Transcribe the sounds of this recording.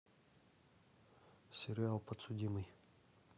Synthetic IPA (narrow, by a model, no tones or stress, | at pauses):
sʲɪɾʲɪalˠpət̪sʊdʲimɨj